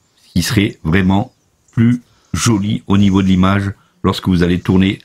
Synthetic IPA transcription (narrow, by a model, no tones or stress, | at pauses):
skʲisəʁɛvʁɛmɑ̃ | ply | ʒɔlionivod̪əlimaʒ | lɔʁskəvuzalet̪uʁne